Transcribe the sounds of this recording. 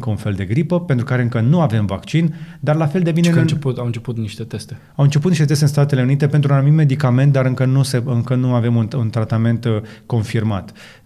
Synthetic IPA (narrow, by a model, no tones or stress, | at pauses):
kəunfe̞ld̪e̞ɡɾipəpe̞nt̪ɾukaɾe̞ɨŋkənuave̞mva̰kt͡ʃind̪arlafe̞ld̪e̞binet͡ʃeput̪awɨnt͡ʃeput̪niʃt̪et̪est̪e | awɨnt͡ʃe̞put̪iʃt̪et̪est̪eɨnst̪at̪e̞le̞unit̪e̞pent̪ɾunanumime̞d̪ikame̞nt̪̚d̪aɾɨŋkənuseɨŋkənuave̞mununt̪ɾat̪ame̞nt̪ko̞nfirma̰t̪